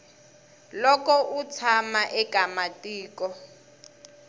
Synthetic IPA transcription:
lɔkɔʔut͡sʰamaʔɛkamatʼiːkɔ

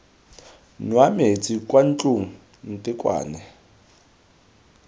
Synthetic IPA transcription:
nwamet͡sʼikʼwan̩t͡ɬʼuŋ̩ | n̩tʼɪkʼwa̰ːnɛ

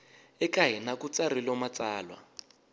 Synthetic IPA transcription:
ɛkaɦinakut͡sarilɔmat͡saːlwa̰

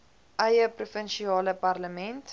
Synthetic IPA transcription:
ʔɐjəprufənʃiɑːləpɐrləmɛnt

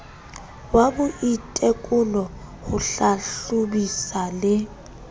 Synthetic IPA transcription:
wabʊʔitʼekʼʊlɔhʊɬaɬubisalɪ

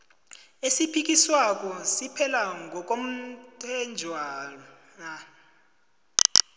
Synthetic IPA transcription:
esipʰik̬ʼiswak̬ʼɔsipʰɛlaŋɡʱɔk̬ʼom̩tʼɛnd͡ʒʱwaːlɔ | ŋa

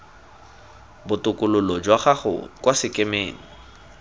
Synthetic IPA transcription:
bʊtʼʊkʼʊlʊlɔd͡ʒwaχaχʊ̰kwasɪkʼɪmeːŋ̩

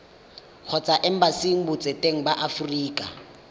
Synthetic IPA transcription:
k͡xʰɔt͡sʼaʔɛm̩basiŋ̩bʊt͡sʼetʼeŋ̩baʔafuriːkʼa̰

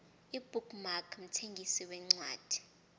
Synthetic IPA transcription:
ib̥ʱuɡmakʰm̩tʰeŋɡʱisiwɛŋ͡ǀwa̰ːd̥ʱi̥

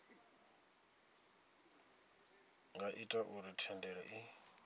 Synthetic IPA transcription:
ŋɡaʔitʼaʔuɾitʰɛndɛɺɛʔi

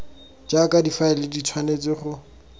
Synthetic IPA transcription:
d͡ʒakʼadifaɪlɪdit͡sʰwanet͡sɪχʊ

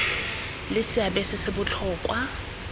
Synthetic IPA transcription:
lɪsɪabɛsɪsɪbʊt͡ɬʰɔːkʼwa

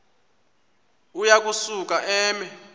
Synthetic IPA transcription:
ujak̬ʼusuk̬ʼaʔɛːmɛ

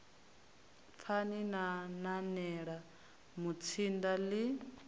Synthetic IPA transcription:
fʰaninananɛɺa | mut͡sʰindali

